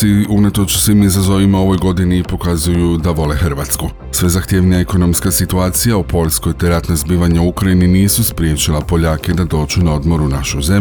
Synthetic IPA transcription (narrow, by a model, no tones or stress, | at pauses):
iunat̪o̞t͡ʃsʋimizazo̞ʋimao̞ʋo̞jɡo̞d̪inipo̞kazujud̪aʋo̞lexɾ̩ʋaːt̪sku | sʋe̞zaxt̪je̞ːʋniaeko̞no̞mskasit̪uaːt̪sijaupo̞ʎsko̞jt̪e̞ɾat̪nazbiːʋaɲauukɾajininiːsuspɾije̞ːt͡ɕilˠapo̞ʎaːke̞d̪ad̪o̞ːd͡ʒunao̞d̪mo̞ɾunaʃuze̞